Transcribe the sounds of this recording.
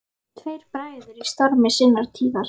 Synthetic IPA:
t̪ʰvejɾ̥pɾaːjðʏst̪ɔɾmɪsɪnːaɾ̥t̪ʰiːðaɾ̥

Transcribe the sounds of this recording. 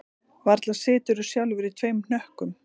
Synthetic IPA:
vaɾt̪lḁsɪːt̪ʏɾʏ̥sjawlvʏɾit̪ʰvejmn̥œhkʏm

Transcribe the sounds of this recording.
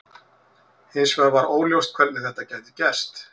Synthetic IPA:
hɪnsvɛɾvaɾoːwljowst̪̚kʰvɛlnɪθɛht̪ːacaːjt̪ɪcɛst̪

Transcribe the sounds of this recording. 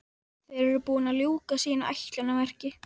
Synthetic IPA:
θejɾɛɾʏpuːnaljuːkasiːnaʔajt̪lɛnavɛr̥cɪ

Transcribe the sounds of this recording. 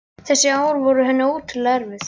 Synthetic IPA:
θɛsːɪaːwɾvɔɾʏɦɛnːɪuːt̪ʰɪlːaɾvɪθ

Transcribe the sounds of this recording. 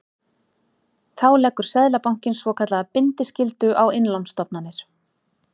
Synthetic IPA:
θawlɛkːʏɾ̥sɛðlapawŋ̥cɪnsvɔkʰat̪lapɪnt̪ɪscɪlt̪ʏʔawɪnlɔwmst̪ɔpnanːɪɾ̥

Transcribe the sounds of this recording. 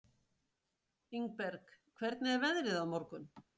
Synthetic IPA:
iŋk̚pɛɾkkʰvɛɾt̪nɪɛɾvɛðɾɪðawmɔɾkʏn

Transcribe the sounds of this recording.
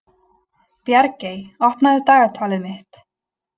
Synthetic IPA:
pjɛɾceːjɔhpnaðʏt̪aːɣaɾt̪ʰaːlɪðmɪht̪

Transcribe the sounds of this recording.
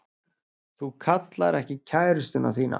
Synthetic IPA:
θukʰat̪laɾɛhcɪcʰaːjɾʏst̪ʏna̰θiːna̰

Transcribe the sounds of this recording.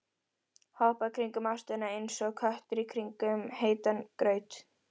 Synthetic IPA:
hɔhpakʰɾiŋkʏmast̪anːaensɔɣkʰœht̪ʏɾikʰɾiŋkʏmheːjt̪ankɾœːɥt̪

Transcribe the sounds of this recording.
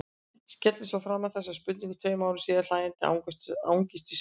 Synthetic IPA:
scɛt̪lɪsvɔafɾamːaðθɛsːaðspʏt̪̬nĩŋkʏ̥t̪ʰveːjmaːwɾɪ̥siːðaɾlaːjɛnt̪ɪa̰wa̰wŋcɪst̪ɪs

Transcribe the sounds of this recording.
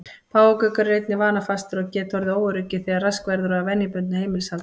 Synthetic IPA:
pʰaːwakœkarːejt̪nɪvaːnafast̪ʏɾɔɣcɛːt̪hɔɾðɪoːwaɾʏcːɪθɛːɣaɾraskvɛɾðʏɾavɛnːɪpʏnt̪nhejmɪlsalt̪

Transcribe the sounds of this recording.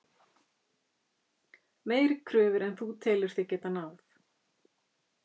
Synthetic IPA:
meːjɾɪkʰɾœːvɪɾɛnθut̪ʰɛːlʏɾ̥θjɛcɛːt̪anaːwθ

